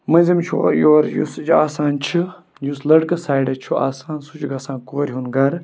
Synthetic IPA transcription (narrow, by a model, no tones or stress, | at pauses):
mɨnzimt͡ʃʰo̰joːɾjṵsd͡ʒaːsaːnt͡ʃʰi | juslɐɽkɐsaːjɖɐt͡ʃʰua̰ːsaːnsut͡ʃʰɡɐsãːnkoːɾʲɦunɡɐɾ